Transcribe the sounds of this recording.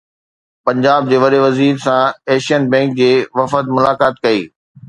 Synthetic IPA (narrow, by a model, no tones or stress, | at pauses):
pɐ̃ɲd͡ʑaːb̚d͡ʑeːʋɐɗeʋɐziːɾsãɛːʃijənbɛ̃ːŋk̚d͡ʑeːʋɐfət̪mʊlaːkaːt̪kɐiː